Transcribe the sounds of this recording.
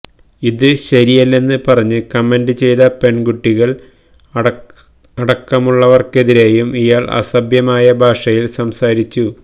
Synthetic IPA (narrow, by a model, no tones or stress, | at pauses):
iðɨɕɐɾijɐlːe̞nːɨpɐrɐɲːɨkɐmendɨt͡ɕe̞jðɐpe̞ɳɡuʈːiɣɐɭ | ɐɽɐkːɐmuɭːɐʋɐrke̞ðiɾe̞ːjumijaːɭʔɐ̰sɐbjɐmaːjɐbʱaːʂɐjilsɐmsaːɾit͡ɕːu